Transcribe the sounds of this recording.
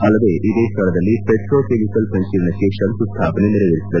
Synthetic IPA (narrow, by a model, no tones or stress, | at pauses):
ɐlːɐd̪eːʔid̪eːst̪ɐlɐd̪ɐlːipeʈɾoːkemikɐlsɐnsiːɾnɐt͡ʃeːʂɐnsust̪ʰaːpɐneniɾɐʋɐɾisid̪ɐ